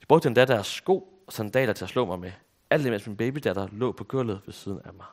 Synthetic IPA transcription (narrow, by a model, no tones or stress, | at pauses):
jɑ̥b̥ʁɔ̽ɡ̥̚d̥əe̝nd̥æd̥əæɐsɡ̥o̝̰ː | ɒsænd̥ɛ̰ːlɐt͡sʰe̝æslɔ̰̽ːmɑ̈ɪme | æl̰d̥emḛsminb̥eːb̥id̥æd̥ɐlɔ̰̽ːpʰɒ̽ɡ̥ʰøɐ̰lð̩ˠʋe̝siːð̞ˠən̩æmɑ̈ɪ